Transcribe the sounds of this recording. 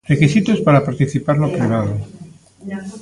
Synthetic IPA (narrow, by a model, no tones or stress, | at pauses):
rekisit̪ospaɾapaɾt̪iθipaɾnopɾiβ̞að̞o